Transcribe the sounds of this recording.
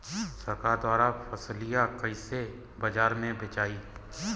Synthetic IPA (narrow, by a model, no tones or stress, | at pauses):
sɐɾkaːɾd̪waːɾafʰɐslijakəise | bɐd͡ʒaːɾmẽbet͡ʃaːiː